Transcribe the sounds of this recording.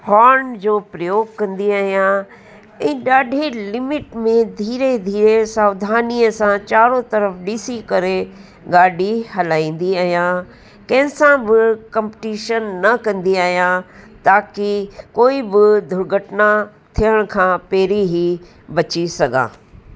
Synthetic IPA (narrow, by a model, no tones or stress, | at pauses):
hɔːɾnd͡ʑoːpɾɐjoːɡkɐ̃nd̪iaːɦijã | ɛ̃ːɗaːɖʱelɪmɪʈmẽd̪ʱiːɾed̪ʱiːɾesaːʋd̪ʱaːniəsãt͡ɕaːɾot̪ɐɾəfɗisikɐɾe | ɡaːɖʱiɦɐlaːĩːn̆d̪iaːɦijã | kɐ̃ɦɪ̃sãbɪkɐ̃mpɪ̥ʈiːʃənːɐkɐ̃nd̪iaːɦijãt̪aːkikoːibɪd̪ʱʊɾɡʱəʈna | t̪ʰijəɽ̃kʰãpeːɾiɦi | bɐt͡ɕisɐɡã̰ː